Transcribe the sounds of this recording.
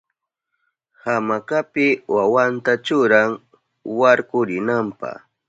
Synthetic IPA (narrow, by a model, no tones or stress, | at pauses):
hamakapɪwawant̪at͡ʃʊɾaŋ | waɾkʊɾɪnampa̰